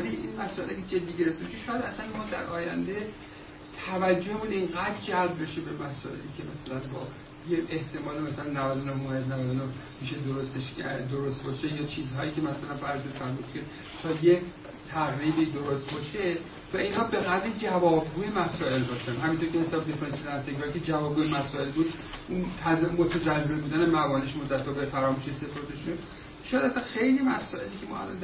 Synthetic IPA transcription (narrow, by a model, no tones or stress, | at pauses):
liʔḭnmæsɒʔelḛkʰed͡ʒed̪ːiːɟe̞ɾeft̪ebeʃeʃɒːjæd̪æsænmɒːd̪æ̰ɾʔɒːjæ̰nd̪e | t̪ʰævæd͡ʒːohemuːniŋɡæd̪̚d͡ʒælb̚be̞ʃebemæsɒ̰ːʔe̞̰liːcʰe̞mæsælænbɒ̰ː | jeeht̪ʰe̞mɒːlemæsælænːævæd̪onohmoed̪nævæd̪onohmiʃe̞d̪oɾost̪eʃd̪oɾost̪̚bɒːʃejɒːt͡ʃʰiːzɦɒːiːcʰe̞mæsælænfæɾt̪unfæɾmud̪̥cʰe̞ | t̪ʰɒje | t̪ʰæɣɾiːbiːd̪o̞ɾost̪bɒːʃe | væinhɒːbe̞ɣæd̪ɾid͡ʒævɒːb̚ɡuːjemæsɒːe̞lbɒːʃænɦæmint̪oɾkʲehesɒːbed̪efoɾesijod̪æɾt̪ʰeɡɾɒːikʲʰed͡ʒævɒːb̚ɡuːjemæsɒːe̞lbuːd̪ | ʔunt̪ʰæzmot̪ʰæd͡ʒælːelbuːd̪ænemævɒːneʃmod̪ːæt̪̚bɒːbefæɾɒːmuːʃese̞pʰoɾt̪ʰeʃu | ʃojæd̪æsænxe̞jlimæsɒːe̞liːcʰemɒ̰ːæ̰lɒ̰n